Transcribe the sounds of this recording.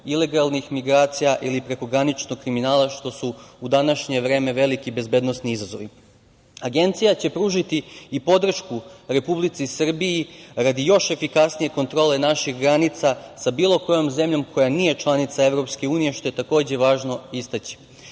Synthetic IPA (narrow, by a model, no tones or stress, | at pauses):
ile̞ɡalˠnixmiɡɾaːt̪sijaʔilipɾe̞ko̞ɡɾanit͡ʃnoɡkːɾiminaːlaʃt̪o̞suud̪anaʃɲe̞ʋɾe̞ːme̞ʋe̞likibe̞zbe̞ːd̪nosniizazo̞̰ʋi | aɡe̞nt̪sijat͡ɕe̞pɾuʒit̪iːpo̞d̪r̩ʃkuɾe̞publit̪sisr̩biiɾad̪ijo̞ʃe̞fikasnije̞ko̞nt̪ɾo̞ːle̞naʃixɡɾanit̪sasabiːlˠo̞ko̞jo̞mze̞mʎo̞mkʰo̞janije̞t͡ʃlˠanit̪sae̞ʋɾo̞pskeuːnije̞ʃt̪o̞jet̪ako̞ːd͡ʑe̞ʋaːʒno̞ist̪at͡ɕi̥